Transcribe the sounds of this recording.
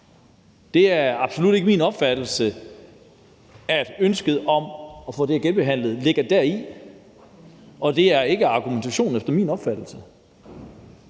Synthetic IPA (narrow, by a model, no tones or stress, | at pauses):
d̥e̝æɐɑ̈b̥so̝lud̥e̝ɡ̥əmiːnɒ̽b̥fæd̥l̩sə | æd̥ønsɡ̥əð̞̩ˠɒ̽mɒ̽fɔ̰ːd̥eæɐɡenb̥e̝ɦæn̰lð̩ˠle̝ɡ̥ɐd̥æɐi | ɒ̽d̥e̝æɐe̝ɡ̥əɑ̈ɡ̥ument͡sʰæɕo̝̰ːn̩efd̥ɐmḭːnɒ̽b̥fæd̥l̩sə